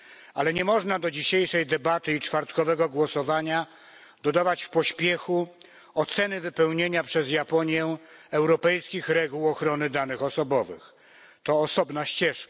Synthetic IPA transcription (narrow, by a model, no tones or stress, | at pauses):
alɛɲɛmɔʐnad̪ɔd͡ʑiɕejʂɛjd̪ɛbat̪ɘit͡ʂfaɾt̪kɔvɛɡɔɡwɔsɔvaɲa | d̪̥ɔd̪avat͡ɕfpɔɕpʲjɛxu | ɔt̪sɛnɘvɘpɛwɲeɲapʂɛzjapɔɲjɛɛwɾɔpɛjskʲixɾɛɡuwɔxɾɔnɘd̪anɘxɔsɔbɔvɘ̰x | t̪ɔːsɔbnaɕt͡ɕɛʂka